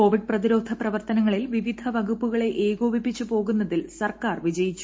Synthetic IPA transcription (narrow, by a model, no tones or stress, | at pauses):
o̞ːʋiɖ̚prɐðiɾo̞ːd̪ʱɐprɐʋɐrt̪ɐnɐŋːɐɭilʋiʋid̪ʱɐʋɐɡupːuɣɐɭe̞ʔeːɡoːbipːit͡ɕːupo̞ːɣunːɐðilsɐrkaːrʋid͡ʑɐjit͡ɕːu̥